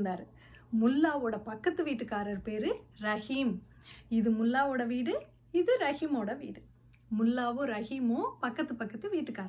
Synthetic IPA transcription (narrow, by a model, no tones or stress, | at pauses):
nd̪aːɾɯ | mʊlːaːʋoːɽɐpɐkːɐt̪ːɯʋiːʈːɯkːaːɾɐɾpeːɾɯɾɐhim | ɪðɯmʊlːaːʋoːɽɐʋiːɽɯ | ɪðɯɾɐɣimoːɽɐʋḭːɽɯ | mʊlːaːʋoːɾɐɣimoːpɐkːɐt̪ːɯpɐkːɐt̪ːɯʋiːʈːɯkːaːɾɐɾ